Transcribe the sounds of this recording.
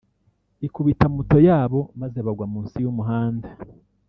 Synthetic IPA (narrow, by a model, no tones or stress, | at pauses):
ikuβitamuto̞jaːβo̞mazeβaɡwamuːnsijumuɦaːnda